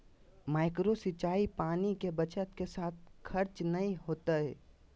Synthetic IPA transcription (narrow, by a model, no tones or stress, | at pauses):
maːɪkɾosɪt͡ʃaːipaːnikebət͡ʃət̪kesaːt̪̚ʰkʰəɾt͡ʃnɐĩɦoːt̪aɦɛ̰ː